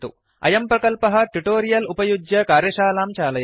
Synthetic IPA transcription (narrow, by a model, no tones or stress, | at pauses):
t̪ṵ | ɐ̰jɐmpɾɐkɐlpɐɦɐ̆ʈuʈoːɾijɐlupɐjud͡ʒjɐkaːɾjɐʃaːlaːmt͡ʃaːlɐj